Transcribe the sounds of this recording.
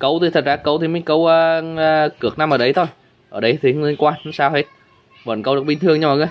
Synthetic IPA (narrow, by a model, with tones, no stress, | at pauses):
kə˧˦wt̪ʰi˨˩t̪ʰt̚zaː˧˩kə˧˦wt̪ʰi˨˩m˨˦kə˧˦wəː˧kɨ˨˩ək̚na˧mʔəː˧˩ɗə˧jt̪ʰo˧j | ʔəː˧˩ɗə˧jt̪ʰi˨˩˦le˧˦nkwaː˧˦saː˧whe˦˥t̚ | və̰ː˨nkə˧wɨ˨˩ɓi˧nt̪ɨ˧əŋɲa˧wa˨˩a˨˦